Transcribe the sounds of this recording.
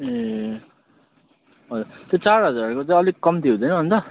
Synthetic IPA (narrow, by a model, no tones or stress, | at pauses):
e | ɦʌd͡zurt̪jot͡sarɦʌd͡zaɾrkot͡sʌ̃j̃ʌliɡ̚kʌmt̪ʰiũd̪ʌjnʌbʱʌnt͡sʌ